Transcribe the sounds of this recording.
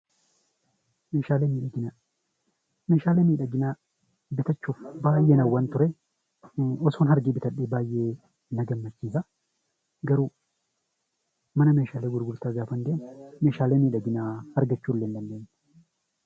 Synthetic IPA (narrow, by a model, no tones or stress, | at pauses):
meːʃaːleːmiːᶑɐɡɪna | meːʃaːleːmiːᶑɐɡɪnaː | bɪt̪ɐt͡ʃːuːfbaːjːeːnɐwːɐnt̪ʊɾɛ | ɔsoːnɦɐɾɡiːbɪt̪ɐɗːeːbaːjʔe̞ː | nɐɡɐmːɐt͡ʃːiːsɐ | ɡɐɾuː | mɐnɐmeːʃaːleːɡʊɾɡʊɾt̪aːɡaːfɐnd̪eːnmeːʃaːleːmiːᶑɐɡɪnaːhɐɾɡɐt͡ʃːuːlːeːnd̪ɐnd̪e̞ːnːɛ̥